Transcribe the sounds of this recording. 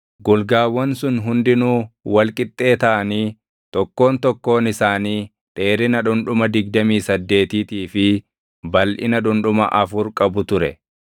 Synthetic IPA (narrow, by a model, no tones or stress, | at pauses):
ɡʊlɡaːwːɐnsʊnɦʊnd̪ɪnuːwɐlkʼɪt̪ʼːe̞ːt̪ɐʔɐniː | t̪ɔkːo̞ːnt̪ɔkːo̞ːnɪsaːniː | t̪ʼe̞ːɾɪnɐᶑʊnᶑʊmɐd̪ɪɡ̚d̪ɐmiːsɐd̪ːe̞ːt̪iːt̪iːfɪ | bɐlʔɪ̰nɐᶑʊnᶑʊmɐ̰ʔɐfʊɾkʼɐbʊt̪ʊɾɛ̰